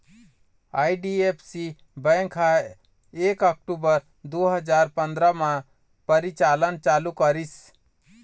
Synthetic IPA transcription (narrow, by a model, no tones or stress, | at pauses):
aːjɖiepʰsi | bɛ̃ŋkʰa | eːkək̚ʈuːbəɾ | d̪oːɦəd͡ʒaːɾpənd̪ɾamã | pəɾit͡ʃaːlənt͡ʃaːlukəɾis